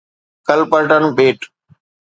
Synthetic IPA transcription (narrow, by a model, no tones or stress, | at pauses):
kəlpəɾʈənũːɓeːʈ